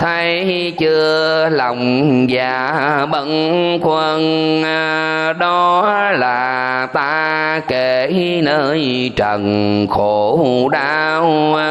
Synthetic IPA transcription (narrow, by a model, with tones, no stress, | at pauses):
t̪ʰə˧j | t͡ɕɨ˧əlɔ˨˩wŋ͡mzaː˨˩ɓə˧˦˥nkwə˧n˧ | ɗɔ˧laː˨˩ | t̪aː˧ | ke˧˩nəː˧j | t͡ɕə˨˩nxo˧˩ɗaː˧w